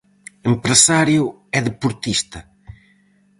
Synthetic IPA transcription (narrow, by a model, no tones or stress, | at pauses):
empɾesaɾjʊ | ɛðepuɾt̪ist̪ɐ